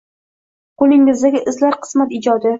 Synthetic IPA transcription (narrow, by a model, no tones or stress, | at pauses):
qolɪŋːɪzd̪aɡʲɪʔɪzlaɾqʰɨ̥smat̪ɪd͡ʒɒd̪ɪ